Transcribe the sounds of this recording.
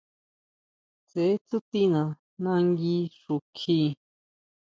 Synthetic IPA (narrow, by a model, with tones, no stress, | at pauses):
se˨e˦t͡su˦t̪i˦nã˨ | nã˧ŋɡi˧ʂu˨kʰi˧